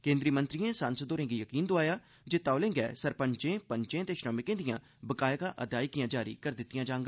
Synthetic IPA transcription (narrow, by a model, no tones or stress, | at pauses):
kẽːnd̪ɾiːmə̃nt̪ɾijẽːsaːnsd̪oːɾẽːɡiːjəkiːnd̪ʊaːjaː | d͡ʒeːt̪aːlẽːŋɡɛ̰ːsəɾpəɲt͡ʃẽːpəɲt͡ʃẽːt̪eːʃɾəmɪkẽːd̪ijãː | bəkaːjkaːʔəd̪ʱjaːɪkijãːd͡ʒaːɾḭːkəɾd̪ɪt̪ːɪjãːd͡ʒaːŋɡa